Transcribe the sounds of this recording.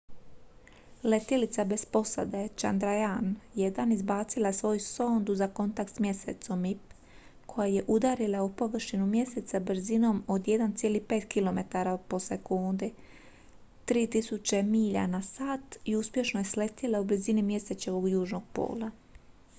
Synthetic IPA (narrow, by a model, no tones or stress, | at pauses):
le̞t̪ilit̪sabe̞spo̞sa̰d̪et͡ʃa̰nd̪ɾajanjed̪anizbaːt̪silˠaesʋo̞ːjusoːnd̪uzako̞nt̪ak̚t̪smje̞sḛt̪so̞mip | kʰo̞jaje̞ʔud̪aɾilˠaupo̞ʋr̩ʃinumje̞set̪sabɾ̩zino̞mo̞d̪je̞d̪ant̪sjelihpe̞ːt̪kilo̞me̞t̪aɾapo̞se̞kund̪i | t̪ɾiːt̪isut͡ʃe̞miːʎa̰nasaːt̪iuspje̞ʃnoje̞sle̞t̪ilaublizinimje̞set͡ɕeʋo̞ɡjuːʒno̞ɡ̥̚po̰ːlˠa